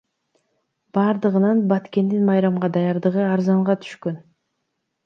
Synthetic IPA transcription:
b̥ɑːɾd̪ɯʁɯnɑnbɑt̪ke̞nd̪inmɑjɾɑmʁɑd̪ɑjɑɾd̪ɯʁɯɑɾzɑɴʁɑt̪ʰy̥ʃkø̞n

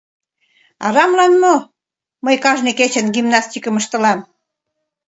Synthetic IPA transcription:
ɑ̰ɾɑmlɑnmo | məjkɑʒneket͡ɕə̆nɡimnɑst̪ikə̆məʃt̪ə̆lɑm

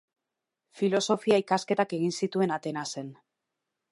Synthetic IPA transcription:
filo̞so̞fiaikaske̞t̪ake̞ɣinsit̪ue̞nat̪e̞nase̞n

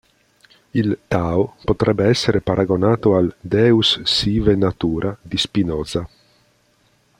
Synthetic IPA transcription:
ilt̪aːopot̪ɾʔɛbːeɛsːeɾepaɾʔaɡonaːt̪oald̪ɛusːivenat̪uːɾʔad̪ispinɔːza

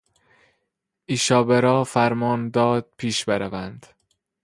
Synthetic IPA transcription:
ʔiːʃɒːbeɾɒːfæɾmɒːnd̪ɒːd̪̥̚pʰiːʃbeɾævænd̪̥

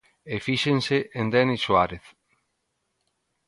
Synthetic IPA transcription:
efiʃenseʔend̪ɛniswaɾeθ

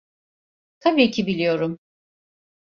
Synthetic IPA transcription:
t̪ʰabiːcʰibilʲijo̞ɾum

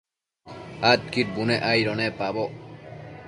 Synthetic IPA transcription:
at̪kiʈ̚buneʔajɾɔnɛpabɔ

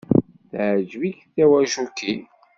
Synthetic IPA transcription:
θʕd͡ʒviçθæwæʒukːi

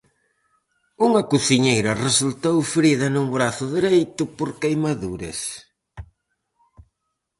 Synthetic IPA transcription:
uŋɐkuθiɲejɾɐresult̪owfɾiðɐnuŋbɾaθʊðiɾejt̪ʊpoɾkejmaðuɾḛs

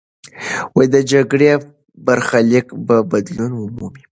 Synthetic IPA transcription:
wajd̪əd͡ʒaɡɽe | baɾxalɪkbabad̪lunwʊmumi

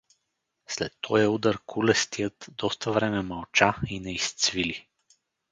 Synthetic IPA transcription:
slɛt̪ʰːɔjɛud̪əɾkʰulɛst̪ijət̪d̪ɔst̪əvɾɛmɛmɐlˠt͡ʃainɛist̪svili

